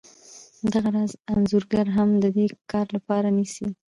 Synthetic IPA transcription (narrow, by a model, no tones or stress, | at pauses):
d̪aɣaɾɑzanzuɾɡaɾɦamd̪əd̪ekɑɾlapɑɾanisi